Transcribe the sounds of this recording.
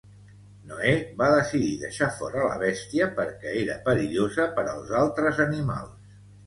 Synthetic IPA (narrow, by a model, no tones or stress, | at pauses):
noeβaðəsiðiðə̰ʃafɔɾələ̰β̞ɛst̪iəpəɾkɛeɾə̰pəɾiʎozəpəɾə̰lˠzalˠt̪ɾəzənima̰lˠs